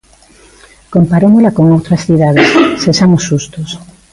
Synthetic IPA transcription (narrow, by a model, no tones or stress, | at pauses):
kompaɾomolakoŋowt̪ɾasθiðað̞essesamosːust̪os